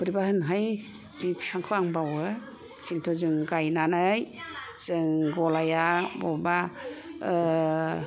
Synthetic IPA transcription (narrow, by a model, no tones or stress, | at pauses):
bɯɾibahɯnɦaj | bipʰsaŋkʰɯaŋbawɯ | kintʰɔzɯŋɡajnanɯjz̥ɯŋɡɔlajabɔba